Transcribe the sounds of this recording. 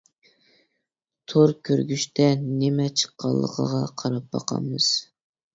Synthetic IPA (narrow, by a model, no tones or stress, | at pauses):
t̪ʰoɾkʲʰøɾɡʲyʃt̪ʰɛnɪmɛt͡ʃʰə̥qːɑ̰lˠːə̰qʰə̰ʁɑqʰɑɾɑp̚bɑ̰qʰɑ̰mːɨz̥